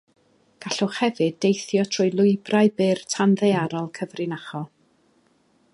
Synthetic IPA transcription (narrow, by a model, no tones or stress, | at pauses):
ɡ̥aɬɔχhɛvɨdːejθjɔtʰr̥ʊjlˠʊɨbrajbɪrtʰanðejaɾɔlˠkʰəvrɨnaχɔ